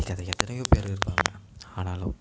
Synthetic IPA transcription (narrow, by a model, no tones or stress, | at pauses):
ɪkːɐðɐɛt̪ːɐnɐjõːpeːɾɪɾɯpːa̰ːmɐ̰aːnaːlo